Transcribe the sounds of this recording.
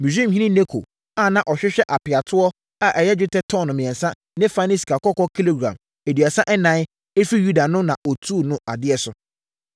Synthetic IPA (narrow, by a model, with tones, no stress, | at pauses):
mĩ˨si˦˨m˨hĩ˦nĩ˦nẽ˦kʰo̰˨ | a˨nã˨ʔɔ˨ɕᶣɪ˦ɕᶣɛ˦ʔa˨pʰɪ˨a˨tʰʊ˦ɔ˦ | a˨ʔɛ˨jɛ˦d͡ʑᶣʊ˦tɛ˦tʰɔ̃˦˨nʊ̃˨mɪ̃˨ɛ̃˨nsã˦ | nɪ̃˦fa˨ni˦si̥˨ka˨kɔ˦kɔ˦kʰi˦lo˦ɡɾã̰˨m | e˨dɥa˨sa˦ʔɛ˦nã˦ | e˦fi˦ju˦da˨nʊ̃˦nã˨ʔɔ˨tʰu˦˨nʊ̃˦a̰˨dɪ˦ɛ˨sʊ˨